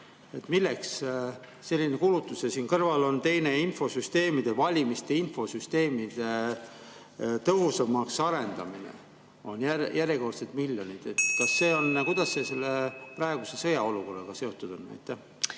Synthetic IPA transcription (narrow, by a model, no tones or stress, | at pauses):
e̞t̪ˑmilːe̞ks | se̞lʲːinekulut̪ːˑusjɑsiːnkɤrvɑlo̞nt̪e̞jne̞info̞syst̪e̞ːmid̪̥evɑlʲimist̪e̞info̞syst̪e̞ːmid̪̥e̞ | t̪ɤɦusɑmɑksɑɾe̞nd̪̥ɑminḛ | o̞njæjʔæɾjeko̞rt̪set̪miljo̞nid̪̥et̪ːkɑsːe̞ːo̞nkujd̪̥ɑsːe̞se̞lːeprɑe̞ɡuse̞sɤjɑo̞luko̞rːɑɡ̥ɑse̞o̞t̪ːud̪̥o̞nnæ̰jt̪ːˑæh